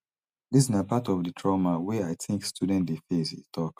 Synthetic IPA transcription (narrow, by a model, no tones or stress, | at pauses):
dis̬inəpatɔvdɨtʰɹɔmawɛaɪtʰɪ̃ŋkstʰjudɛ̃ntdefezḭztʰɔk